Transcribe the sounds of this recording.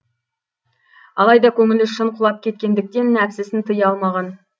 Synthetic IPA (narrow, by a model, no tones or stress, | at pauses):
ɑlˠɑjd̪ɑkʲʰɵŋɪlɪʃəɴqʰʊlˠɑp̚kʲʰe̞t̪̚kʲe̞nd̪ɪk̚t̪e̞nːæpsɪsɪnt̪ʰəjɑlˠmɑʁɑn